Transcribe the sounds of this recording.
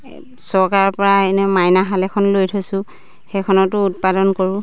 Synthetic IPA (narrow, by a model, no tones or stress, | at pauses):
sɔɹkaɹpɔɹaenɛmajnaɦalɛkʰɔnlojtʰosʊ̃ | xɛkʰɔnɔtʊut̚padɔnkoɹʊ